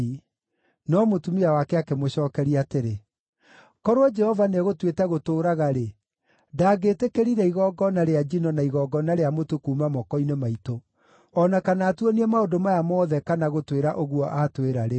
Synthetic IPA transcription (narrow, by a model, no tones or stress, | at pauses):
i | nɔmotumiawakɛakemoɕɔːkɛɾiateɾe | kɔɾoɔd͡ʒɛhɔvaneɣotwetɛɣotoːɾaɣaɾe | daːɡeːtekeɾiɾɛiɣɔɡɔnaɾead͡ʒinɔnaiɣɔɡɔnaɾeamotukuːmamɔkɔinemaito | ɔnakanaːtwɔniɛmaodomajamɔːðɛkanaɣotweɾaʔoɣwɔʔatweɾaɾe